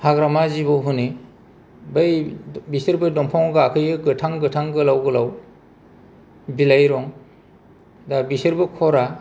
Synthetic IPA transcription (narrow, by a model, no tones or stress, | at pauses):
haɡɾamazibɯwɦuni | bajbisɯɾbɯdɔmpʰɔŋɡaːkʰɯjɯɡɯtʰaŋɡɯtʰaŋɡɯlawɡɯlaw | bilajɾɔŋ | dabisɯɾbɯkʰɔɾa